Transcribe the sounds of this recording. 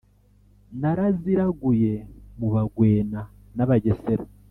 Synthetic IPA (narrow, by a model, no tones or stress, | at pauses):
naɾaziɾaɡuje̞muβaɡwe̞ːna | naβaɟeseɾo